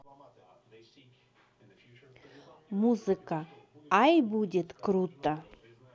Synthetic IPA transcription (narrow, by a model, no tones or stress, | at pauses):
muzɨka | ajbudʲet̪kɾut̪a